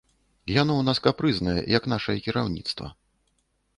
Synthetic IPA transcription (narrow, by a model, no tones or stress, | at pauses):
janɔwn̪askapɾɨznɐjɛ̰jɐkn̪aʂɐjɛkʲiɾawnʲḭt̪st̪vɐ̰